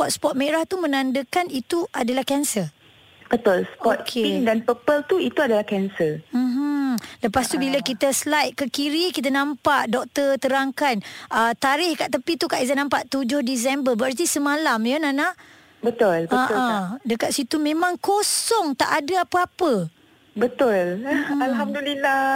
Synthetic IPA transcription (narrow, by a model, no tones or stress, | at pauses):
pɔt̪̚spɔt̪̚meɾaht̪umə̃nãndəkanit̪uʔadalahkɛnsə | bət̪ʊlspɔt̪̚kʰeindanpəpəlt̪uit̪uadalahkɛnsəm̩ɦ̩ləpast̪ubilakit̪əslajt̪̚kəkiɾikit̪̬anãmpaʔdɔk̚t̪ət̪əɾaŋkanət̪aɾɪhkaʔt̪əpit̪ukaʔizanãmpaʔt̪ud͡ʒʊhdis̬ɛmbəbəart̪isəmalamjənana | bət̪ʊlbəaʔadəkaʔ̪̚sit̪umẽmãŋkosɔŋt̪a̰ʔadaapəapə | bət̪ʊlalɦamdulila